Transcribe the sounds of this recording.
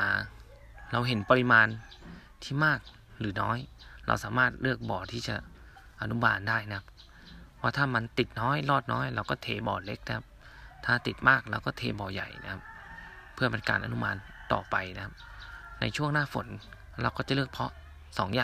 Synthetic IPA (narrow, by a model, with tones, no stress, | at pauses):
aː˨˧˩ | ɾa˧wɦe˨˦npa˧li˧maː˧n | t̪ʰiː˥˩maː˥˩k̚ | lɯː˩˦nɔ̰ː˦˥jɾa̰˧wsaː˩˦maː˥˩t̪̚lɯ˥˩ək̚bɔː˨˩t̪ʰiː˥˩t͡ɕa̰˨˩ | ʔa˧nu˦˧˥maː˧ndaː˥˩jna˧kʰa˧p | waː˧˩t̪ʰaː˥˩ma˧nt̪i˨˩t̪̚nɔː˦˥˨jlɔː˥˩t̪̚nɔː˦˥˨jla˧wkɔː˥˩t̪ʰeː˧bɔ̰ː˨˩le˦˥k̚na˧kʰa˧˥p̚ | t̪ʰaː˥˩t̪i˨˩t̪̚maː˥˩k̚ɾa˧wkɔː˥˩t̪ʰeː˧bɔː˨˩ja̰˨˩jna̰˦˧kʰa˦˧˥p̚ʰː | ɯ˥˩əpa˨˧nka̰ː˨nʔa̰˧nu˦˥˩maː˧n | t̪ɔ̰ː˨˩pa˨˩jna˦˧kʰa˧˥p̚na̰˧jt͡ɕʰu˥˩əŋnaː˥˨fo˨˦n | la˧wkɔː˥˩t͡ɕa˨˩˦lɯː˥˩ək̚pʰɔ˦˧˥ | sɔː˨˦ŋjaː˧˨